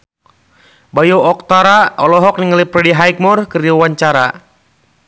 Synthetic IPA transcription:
bajɔɔk̚t̪aɾaɔlɔɦɔk̚niŋalipɾɛdiɦajk̚mɔrkəriwaɲt͡ʃaɾa

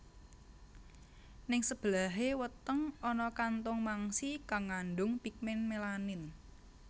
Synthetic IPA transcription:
nɪŋsəb̥əlaɦewət̪əŋɔnɔkant̪ʊŋmaŋsikaŋanɖʊŋpik̚mɛnmelanɪn

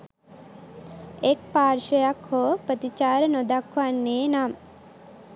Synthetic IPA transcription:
ekpaːɾʃəjakhoːpət̪it͡ʃaːɾənod̪akʰʋanːeːnam

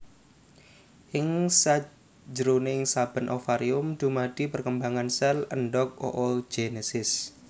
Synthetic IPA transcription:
ʔɪŋsḁ | d͡ʒəɾoneɪŋsab̥ə̤nʔofaɾiʊmd̪̥ṳmad̪̥i̤pərkəmbaŋansɛlənɖɔk̚o̰ʔɔld͡ʒ̥enesɪs

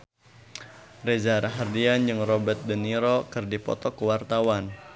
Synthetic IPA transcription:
rezaɾaɦardiand͡ʒɨŋrɔbət̪̚dəniɾɔkɨrdipɔ̰t̪ɔkuwart̪awan

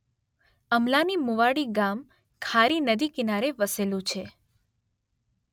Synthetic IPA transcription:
əmlanimuʋaɽiɡam | kʰaɾinəd̪ikinaɾeʋəselũt͡ʃʰe

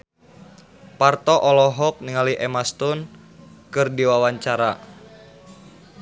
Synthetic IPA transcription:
part̪ɔʔɔlɔɦɔk̚niŋaliʔɛmast̪ʊn | kɨrdiwawaɲt͡ʃaɾa

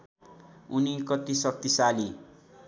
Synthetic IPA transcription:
unikʌt̪isʌk̚t̪isali

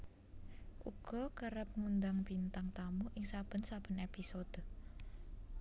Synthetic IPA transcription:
ʔṵɡ̥ɔkəɾəp̚ŋund̪aŋpint̪aŋt̪amuʔɪŋsab̥ə̤nsab̥ə̤nepisod̪̥o

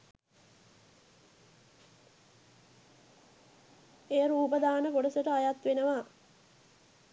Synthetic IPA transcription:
eːɾuːpəd̪aːnəpoɖəsəʈəajat̪ʋenəʋa

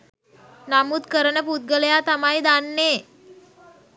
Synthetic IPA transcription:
namut̪kəɾənəput̪̚ɡələjat̪amajd̪anːeː

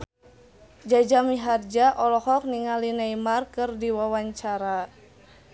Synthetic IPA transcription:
d͡ʒad͡ʒamiɦard͡ʒaʔɔlɔhɔk̚niŋalinajmarkɨrdiwawaɲt͡ʃaɾa

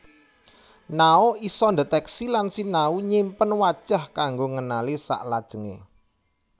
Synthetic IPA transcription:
naoisɔnd̪ət̪ɛksilansinauɲimpənwad̥ʒ̥a̤hkaŋɡoŋənalisa̰ʔlad̥ʒ̥ə̤ŋḛ

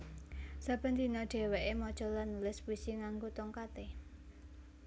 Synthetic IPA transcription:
sab̥ə̤nt̪inɔ̥ɖ̥e̤weʔemɔd̥ʒ̥ɔ̤lanulɪspuisiŋaŋɡot̪ɔŋkat̪e

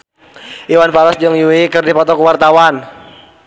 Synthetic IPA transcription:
ʔiwanfaɾɔsd͡ʒɔŋjuwikərdipɔt̪ɔkəwart̪awan

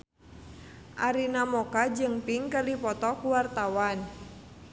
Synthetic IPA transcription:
ʔaɾinamɔkad͡ʒɨŋpiŋkərdipɔt̪ɔkuwart̪awan

